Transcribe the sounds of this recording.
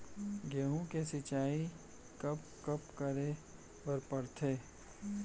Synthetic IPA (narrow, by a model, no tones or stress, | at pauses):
ɡeɦõkesɪt͡ʃaːi | kɐp̚ | kɐpkɐɾe | bɐɾpəɾt̪ʰeː